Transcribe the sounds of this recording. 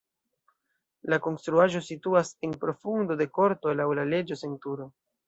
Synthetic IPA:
lako̞nstɾuaʒo̞situase̞npɾo̞fundo̞de̞ko̞ɾto̞lawlale̞d͡ʒo̞se̞ntuɾo̞

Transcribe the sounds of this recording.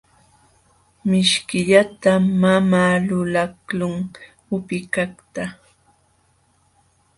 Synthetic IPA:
mɪʃkɪʎat̪amamaːlʊlaklʊŋ | ʊpɪkakt̪a

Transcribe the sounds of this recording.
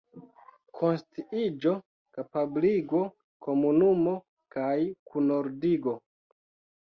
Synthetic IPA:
kʰo̞nstiid͡ʒo̞ | kapabliɡo̞ | komunumo̞ | kajkʰunoɾdiɡo̞

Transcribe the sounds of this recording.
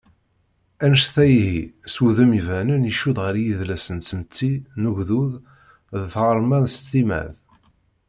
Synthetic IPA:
ænəʃθæjhisuðəmivænəniʃuðʁəɾjiðlæsənəmt̪ʰːinuʝðuð | ðθʁəɾˤmænst̪ːimæ̰ð

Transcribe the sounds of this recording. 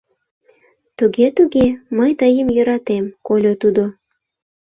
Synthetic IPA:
t̪uɣet̪uɣeməjt̪əjəmjø̆ɾɑt̪emkolʲot̪ud̪o

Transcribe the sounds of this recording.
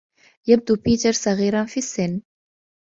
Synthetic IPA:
jəb̚d̪upit̪əɾsaʁiɾanfisen

